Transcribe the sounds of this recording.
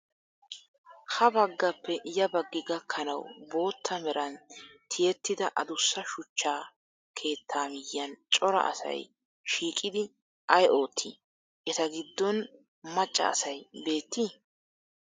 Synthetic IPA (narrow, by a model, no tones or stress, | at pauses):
hɐbɐɡːɐpːɛjɐbɐɡːɪɡɐkʰːɐnɐ̰wbo̞ːt̪ʰːɐmɛɾɐnt̪ʰɪjɛt̪ːɪd̪ɐʔɐd̪ʊsːɐʃʊt͡ʃːaː | kʰe̞ːt̪ʰːaːmɪjːɐnt͡ʃʼɔɾɐ̰ʔɐ̰sɐ̰j | ʃiːkʼɪd̪ɪ | ʔɐjo̞ːt̪ʰːi | ʔɛt̪ɐɡɪd̪ːɔn | mɐt͡ʃʼːɐ̰ːsɐjbe̞ːt̪ːi